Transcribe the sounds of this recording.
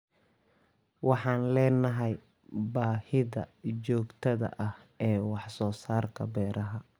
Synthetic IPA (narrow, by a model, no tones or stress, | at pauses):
wɑħɑːnlɛːnɐɦɛj | baːhɪðɐ̰t͡ʃɔːɡt̪ʰɐðɐ̰ʔɐh | ɛːwɑħsɔːsaːrkʰɐbɛːɾɐɦɐ